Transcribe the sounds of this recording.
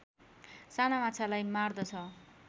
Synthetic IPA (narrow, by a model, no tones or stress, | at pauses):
sanamat͡sʰalajmard̪ʌt͡sʰʌ